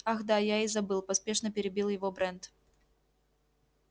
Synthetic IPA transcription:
axd̪ajaizɐbɨlˠpɐspʲe̞ʂnəpʲɪɾʲɪbʲilˠjɪvobɾɛnt̪

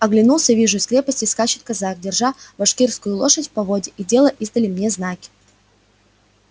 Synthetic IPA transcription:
ɐɡlʲɪnulˠsʲəvʲiʐʊɪsʲkɾʲe̞pəsʲtʲɪskat͡ɕɪt̪̚kɐzak̚dʲɪrʐabɐʂkʲirskʊjʊlˠo̞ʂətʲfpɐvo̞dʲɪʔidʲe̞lˠəʔizd̪əlʲɪmnʲe̞znakʲɪ̥

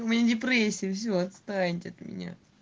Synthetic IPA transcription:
kmʲɪnʲadʲɪpɾʲesʲːɪjəfsʲoɐt̪st̪anʲɪtʲɪɐt̪mʲɪ̰nʲa̰

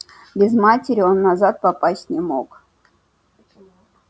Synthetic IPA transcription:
bʲɪzmatʲɪɾʲɪonːazat̪̚papasʲtʲnʲɪmo̰k

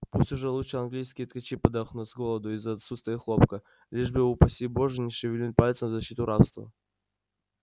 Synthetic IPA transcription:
pusʲtʲʊʐɛlˠut̪ʂəɐnɡlʲijskʲɪjət̪kat͡ɕipəd̪ɐxnutʲzɡolˠəd̪ʊɪzɐt̪sust̪vʲəjəxlˠo̞pkə | lʲiʐbɨupɐsʲiboʐɨnʲɪʂɨvʲɪlʲnʲit̪̚ʲpalʲɪt̪səmvzɐɕːit̪ʊɾafst̪və̰

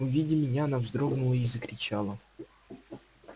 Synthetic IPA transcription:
ʊvʲidʲɪmʲɪnʲaɐnavzd̪ɾo̞ɡnʊlˠəizəkɾʲɪt͡ɕalˠə

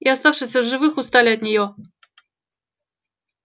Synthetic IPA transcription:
iast̪afʂɨsʲəʐɨvɨxʊst̪alʲɪɐt̪nʲɪjo

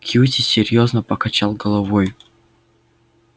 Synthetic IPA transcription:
kʰʲjutʲɪsʲɪɾʲjoznəpəkɐt͡ɕalˠɡəlˠɐvojʊ

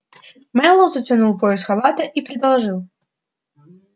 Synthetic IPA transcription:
mɛlˠəwzətʲt͡sʲɪnulˠpojɪsxɐlˠat̪əʔipɾʲɪd̪ɐlˠʐɨlˠ

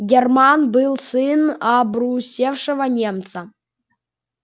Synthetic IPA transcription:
ɡʲɛrmanbɨlˠsɨnɐbɾusʲefʂɨvənʲemt̪sɐ

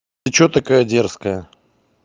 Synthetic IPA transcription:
t͡ɕot̪ɐkajədʲerskəjə

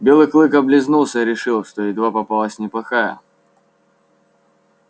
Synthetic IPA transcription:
bʲelˠɨklˠɨkɐblʲɪznulˠsʲəɾʲɪʂɨlˠʂt̪oɪd̪vapɐpalˠəsʲnʲɪplˠɐxajə̰

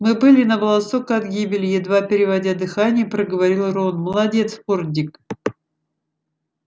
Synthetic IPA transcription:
mɨbɨlʲɪnəbəlˠɐsokəɐd̪ɡʲibʲɪlʲɪjɪd̪vapʲɪɾʲɪvɐdʲad̪ɨxanʲɪjəpɾəɡəvɐɾʲilˠronməlˠɐdʲe̞t̪spordʲɪk

